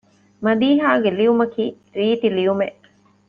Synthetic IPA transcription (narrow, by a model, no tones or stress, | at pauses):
mɐd̪iːɦaːɡeliʋumɐkiː | ɾiːt̪iliʋumeʔ